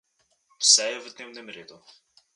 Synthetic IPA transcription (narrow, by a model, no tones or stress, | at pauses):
fsɛɛvd̪nɛmnɛmɾed̪u